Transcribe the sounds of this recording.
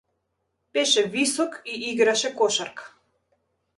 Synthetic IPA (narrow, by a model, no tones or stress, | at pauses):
pɛʃɛvisɔkiʔiɡɾaʃɛkɔʃaɾkḁ